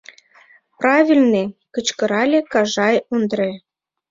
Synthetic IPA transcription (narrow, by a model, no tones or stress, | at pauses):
prɑvʲilʲnekət͡ɕkə̆ɾɑlʲekɑʒɑjond̪ɾe